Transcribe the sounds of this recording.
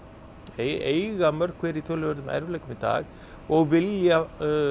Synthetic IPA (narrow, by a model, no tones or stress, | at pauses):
eejɣamœɾ̥kʰvɛːɾit̪ʰoːlœɾðʏmæ̰ɾvlɛjkʏmit̪a̰ːɣ | ɔɣvɪlja